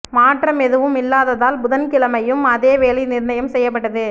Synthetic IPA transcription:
maːʈrɐmɛðɯʋɯmɪlːaːðɐðaːlbʊðɐnkɪlɐmɐjɯmɐðeːʋeːlinɪɾnɐjɐmsɛjːɐp̬ːɐʈːɐðɯ

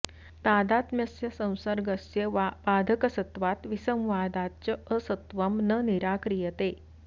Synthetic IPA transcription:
t̪ad̪at̪mjɐsjɐsə̃w̃səɾɡəsjəʋaʋad̪ʱəkəsət̪ʋat̪ʋisə̃mʋaːd̪att͡ɕəəsət̪ʋəmnəniɾakɾijət̪e

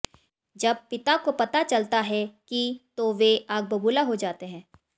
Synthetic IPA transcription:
d͡ʒɐb̚pɪt̪akopɐt̪at͡ʃɐlt̪aɦɛkit̪oʋeaːɡ̚bɐbuːlaɦod͡ʒaːt̪eɦɛ̃ː

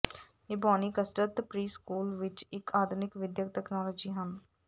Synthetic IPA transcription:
ɪbaːniːkəsʈəɾt̪pɾiːskuːlʋɪt͡ʃɪkʰaːd̪ʱʊnɪkʋɪd̪jəkʈ̪ɛknɔːlɔːd͡ʒiːɦən

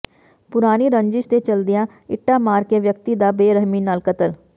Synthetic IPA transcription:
pʊɾaːniɾə̃ɲd͡ʒɪʃt̪et͡ʃɐld̪ijã | ɪʈːamaːɾkeʋjək̚t̪id̪abeːɾəɦminaːlkət̪əl

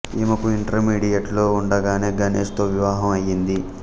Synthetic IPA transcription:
emɐkuiɳʈɐɾmiːɽijɐʈlo̞ːuɳɖɐɡaːneːɡɐnḛːst̪oːʋiʋaːɦɐmɐjːind̪i

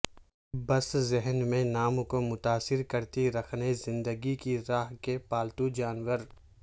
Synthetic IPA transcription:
bɐszɛɦnmẽnaːmkomʊt̪aːsɪɾkɐɾt̪iɾɐkʰnezɪ̃nd̪əɡikiɾaːɦkepaːlt̪ud͡ʒaːnwəɾ

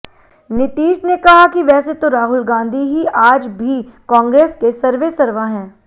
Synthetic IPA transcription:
nɪt̪iːʃnekɐɦakiʋɛːset̪oɾaːɦʊlɡãːnd̪ʱiɦiʔaːd͡ʒbʱikɔ̃ːŋɡɾeːskesɐɾʋesɐɾʋaɦɛ̃ː

